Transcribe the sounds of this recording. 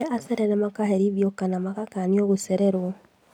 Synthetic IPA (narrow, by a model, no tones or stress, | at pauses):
aseɾeɾɛmakaɦeɾiβjokanamakakanioɣuseɾeɾwo